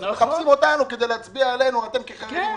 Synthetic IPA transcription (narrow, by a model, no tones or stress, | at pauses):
meχapsimo̞t̪anuked̪ejlehat͡sbiaele̞nuat̪e̞mkeχai